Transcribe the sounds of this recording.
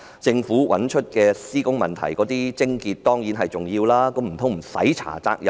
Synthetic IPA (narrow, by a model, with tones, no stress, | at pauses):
t͡sɪ˧ŋfuː˨˥wʔɐ̰˨˥nt͡ʃʰɵ˥t̚kɛː˧siː˥kʊ˥ŋmɐ˨nt̪ʰɐ̰˨˩jkɔː˨˥t̪iː˥t͡sɪ˥ŋkiː˧t̚t̪ɔː˥ŋjiː˨˥nɦɐ˨jt͡sʊ˨ŋjiː˧wlaː˥ko˨˧˥m̩˨˩tʰʊ˨˥ŋm̩˨˩sɐ̰˨˥jt͡sʰa̰ː˨˩t͡sa̰ː˧k̚jɐ˨